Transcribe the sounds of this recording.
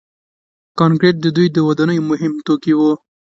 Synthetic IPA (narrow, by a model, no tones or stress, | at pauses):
kɑnkɾeʈ̪̚d̪əd̪ujd̪əwad̪ɑnəjomʊɦɪmt̪okiwu